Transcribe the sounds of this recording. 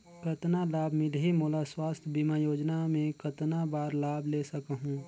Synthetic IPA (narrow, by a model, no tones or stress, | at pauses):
kət̪nalaːbʱmɪlɦimoːlaswaːst̪ʰbimajoːd͡ʒnamẽkət̪nabaːɾlaːbʱleːsəkɦũː